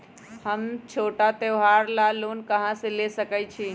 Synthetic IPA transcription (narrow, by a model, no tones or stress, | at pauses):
həmt͡ʃʰoʈat̪eoɦaɾlalonkəɦãsẽlesəkət͡ʃʰi